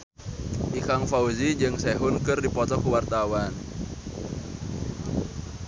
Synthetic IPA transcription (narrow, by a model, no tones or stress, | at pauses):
ʔikaŋfauzid͡ʒɨŋsɛɦʊnkɨrdipɔt̪ɔkuwart̪awan